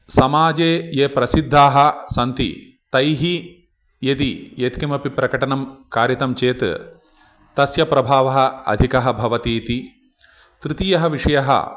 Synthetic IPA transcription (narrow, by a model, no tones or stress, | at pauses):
sɐmaːd͡ʒeːjeːpɾɐsid̪ʱːaːɦɐ̆sɐnt̪ḭ | t̪ɐjɦi | jet̪ijet̪kimɐpipɾɐkɐʈɐnɐmkaːɾjɐt̪ɐmt͡ʃeːt̪ | t̪ɐsjɐpɾɐbʱaːʋɐɦɐ̆ɐ̰d̪ʱikɐɦɐ̆bʱɐʋɐt̪iːt̪i | t̪ɾɨt̪ijɐɦɐʋiʂɐjɐɦɐ̰